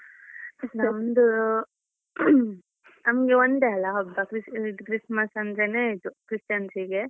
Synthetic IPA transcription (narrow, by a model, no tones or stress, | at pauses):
namnd̪u | nɐmɡeond̪eɐlːaɔbːakɾiiʈkɾismɐsɐnd̪ɾeneid̪ukɾisʈjansiɡe